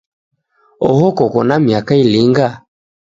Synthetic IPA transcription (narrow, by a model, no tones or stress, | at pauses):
ɔhɔkɔkɔnamiakailiŋɡa